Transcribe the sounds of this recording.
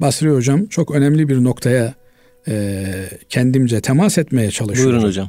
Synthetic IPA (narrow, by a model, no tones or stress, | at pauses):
basɾɯjood͡ʒamt͡ʃʰo̞kø̞nɛmlʲibiɾno̞kt̪ʰaja | cʰɛnd̪imd͡ʒɛt̪ʰɛmasɛt̪mejɛt͡ʃʰalˠɯdʃujɾunod͡ʒam